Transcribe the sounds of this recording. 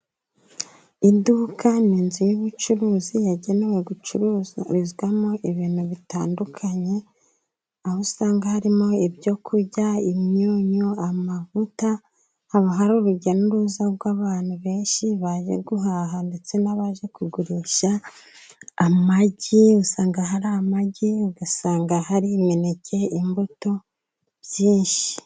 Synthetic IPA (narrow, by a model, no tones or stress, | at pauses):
idukʰaniːnzijuβut͡ʃuɾuːzijaɟe̞ne̞we̞ɡut͡ʃuɾizɡwamoʔiβiːn̥huβitaːndukʰaɲe̞ | ahosaːŋɡahaɾimo̞ibjo̞kʰuɾɟaimɲoːɲoamavuta | haβaɦaɾoːɾuɟenuɾuzabɡwaːβaːn̥huβe̞ːnʃiβaʒḛɡuɦaɦande̞t͡se̞naβaʒe̞kuɡuɾiːʃaː | maɟiusaːŋɡaɦaɾamaɟiɡasaːŋɡahaɾimenecʰe̞imbuto̞ | βzjiːnʃi̥i̥